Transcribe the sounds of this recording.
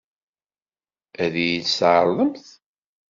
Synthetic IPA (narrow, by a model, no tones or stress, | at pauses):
æðijit͡sːsʕəɾðˤəmθ